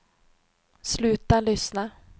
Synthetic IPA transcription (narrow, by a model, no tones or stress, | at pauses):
slʉ̟ːt̪alʏsna